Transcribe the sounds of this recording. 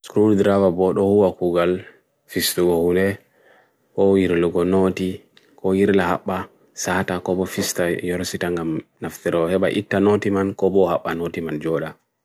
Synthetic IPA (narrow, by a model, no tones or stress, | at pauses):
skɾuddɾavabɔɗɔhuwakuɡal | fistuɡɔhundɛ | kɔjiɾluɡɔnoti | kɔjiɾlaha̰ɓːa | satakɔbɔfistajɔɾsitaŋɡamnaftɛɾɔhɛɓa̰ʔḭtːanotimankɔbɔhaɓːanotimand͡ʒɔɗa